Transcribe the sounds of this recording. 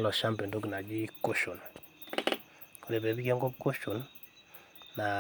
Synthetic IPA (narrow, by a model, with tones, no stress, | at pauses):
lɔ˨ʃa˦mpe˨ndo˦ki˨na˨d͡ʒi˦ko˦ʃo˨n | ko˨ɾe˨be˨bi˦ke˦ŋɡo˦pko˦ʃu˨n | a˨